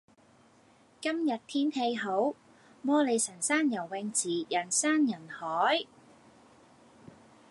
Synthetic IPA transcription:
kɐ˥mjɐ˨t̚t̪ʰiː˥nhe˧jɦo˨˥w | mɔː˥le˨˧jsɐ˨˩nsaː˥njɐ˨˩wːɛ˧ŋt͡siː˨˩jɐ˨˩nsaː˥njɐ˨˩nhɔː˨˥j

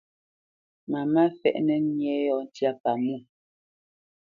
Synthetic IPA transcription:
ma˨ma˦fɛ̰˦˨ʔnɛ˦ɲjɛ˨˦jɔ˨˦n˦tja˦pa˨mu˦˨

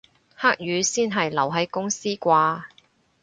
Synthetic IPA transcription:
haː˥k̚jyː˨˧siː˥nɦɐ˨jlɐ˨˩wɦɐ˨˥jkʊ˥ŋsiː˥kʷaː˧

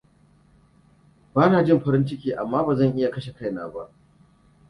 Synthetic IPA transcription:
baː˦naː˨d͡ʒɪ˦˨mɸɐ˦ɾɪ˦nt͡ʃɪ˦kʲiː˦ʔa˨mːaː˦baː˨zɐ˦˨ŋʔɪ˦ja˨kɐ˦ʃe˨ka˦jna̰ː˨ba˦ʔ

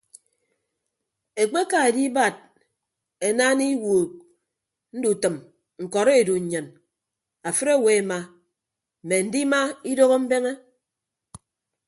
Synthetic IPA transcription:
e˨k͡pe˦ka˨e˨di˦ba˨d̚ | e˨naː˦ni˦woː˨k̚ | n̩˦du˨tɨ˨m | ŋ̩˨kɔ˨ɾe˦e˨du˨ɲ̩˨ɲɨ˨n | a˨fɨ˦ɾe˦˨we˨e˨ma˨ | me˨n̩˨˦di˦ma˦i˦do˦ɣo˦m̩˦be˦ŋe˦

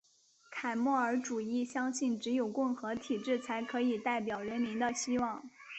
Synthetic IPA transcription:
kʰa˨˩ɪmwɔ˥˩ə˞˧˥ʈ͡ʂu˨˩i˥˩ɕjɑ˥ŋɕi˥˩nʈ͡ʂɻ̩˧˥jo˨˩ʊkʊ˥˩ŋxɤ˧˥t̪ʰi˨˩ʈ͡ʂɻ̩˥˩t͡sʰa˧˥ɪkʰɤ˧˥i˨˩t̪a˥˩ɪp̬jɑ˨˩ʊɻə˧˥nmi˧˥ŋd̪ə˧ɕi˥wɑ˥˩ŋ

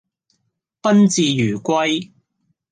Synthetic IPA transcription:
pɐ˥nt͡siː˨jyː˨˩kʷɐ˥j

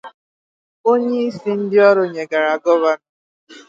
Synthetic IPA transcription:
o˦ɲe˦i˦si˦n̩˦dɪ˦ɔ˦ɾʊ˨ɲe˨ɡa˨ɾa˨ɡɔ˦βa˦n˦˨

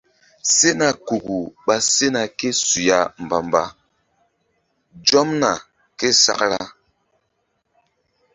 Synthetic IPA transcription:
se˦na˨ku˨ɡu˨ɓa˦se˦na˨ke˦su˨ja˦m˨ba˨mba̰˦ | d͡ʒɔ˦mna˨ | ke˦sa̰˦˨kɾa˦

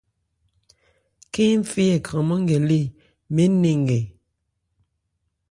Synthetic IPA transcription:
ke˦m̩˦fi˦je˨kʰə˨mɔ˦ŋ˦ɡe˨li˦˨ | me˦ne˦˨ŋ˨ɡe˨

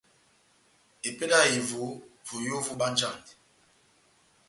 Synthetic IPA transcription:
e˨pe˦na˦˨i˨vo˨˦vo˨jo˦vu˦ɓa˦n˦d͡ʒa˦˨ndi˨

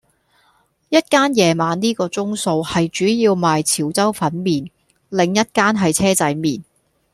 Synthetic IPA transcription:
jɐ˥t̚kaː˥njɛː˨˧maː˨˥nniː˥kɔː˧t͡sʊ˥ŋso˧whɐ˨jt͡ʃyː˨˥jiː˧wmaː˨jt͡sʰiː˨˩wt͡sɐ˥wfɐ˨˥nmiː˨n | lɪ˨˧ŋjɐ˥t̚kaː˥nɦɐ˨jt͡sʰɛː˥t͡sɐ˨˥jmiː˨˩n

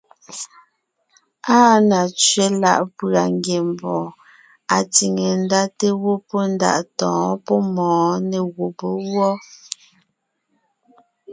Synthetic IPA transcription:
aː˦na˨t͡ʃɥe˦la̰˦ʔpɰa˨ŋɡje˨m˨bɔ˨ | a˨ti˨ŋe˨n̩˦da˦te˦wo˦po˦n̩˦da̰˦˨ʔtɔ̃ː˨˦pɔ˦mɔ̃ː˨˦ne˨ɣo˨bo˨˦wɔ˦

